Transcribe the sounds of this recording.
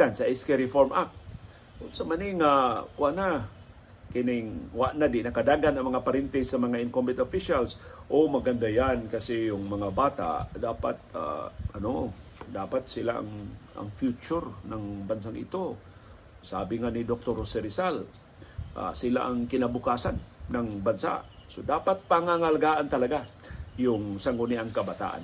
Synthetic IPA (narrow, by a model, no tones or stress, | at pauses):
ansaʔɪskɛɾɪfoɾmʔak̪̚ | ʊsamaniŋakʊʔana | kɪnɪŋwaʔnad̪ɪnɐkad̪aːɡanɐŋmɐŋapaɾɪnt̪ɛsamɐŋaɪnkombɪt̪ofiʃalsʔomaɡand̪ajankasɪjʊŋmɐŋabaːt̪a̰ʔd̪aːpat̪̚a̰ʔɐnod̪aːpat̪̚sɪlaʔa̰ŋa̰ŋfjut͡ʃʊɾnaŋbans̬aŋʔɪ̰t̪o | saːbɪŋanid̪ok̚t̪oɾsɛɾɪsal | ʔa̰sɪla̰ʔaŋkɪnabʊkaːsanːaŋbansa̰sod̪aːpat̪̚paŋaŋalaɡaːʔant̪ɐlaɡajʊŋsaŋʊniʔaŋkɐbat̪a̰ːʔa̰n